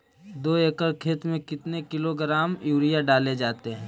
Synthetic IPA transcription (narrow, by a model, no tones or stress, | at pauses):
d̪oːeːkəɾkʰeːt̪mẽkɪt̪nekɪloɡɾaːmjuːɾɪjaɖaːled͡ʒaːt̪eɦɛ̃ː